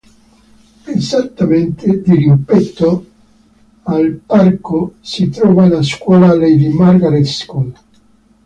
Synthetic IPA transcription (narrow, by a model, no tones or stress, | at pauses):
ezat̪ːament̪ed̪iripɛt̪ːo | alparkosit̪ɾɔːvanaskwɔːlalejd̪imarɡaɾet̪skon